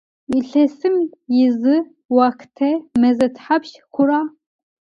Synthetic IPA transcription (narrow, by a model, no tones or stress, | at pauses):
iɬɛsɨmjɪzɨ | wakʰtʰɛmɛzɐtʰħapʃ | kʷʰʊɾaː